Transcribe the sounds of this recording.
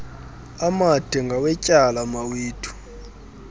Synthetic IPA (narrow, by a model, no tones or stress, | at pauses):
amad̥ʱɛŋɡʱawɛcʼalamawiːtʰu̥